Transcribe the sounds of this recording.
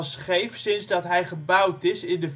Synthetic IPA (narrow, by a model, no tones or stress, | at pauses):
sχejfsɪnzdɑtɦɛjχəbʌwtɪsɪndəv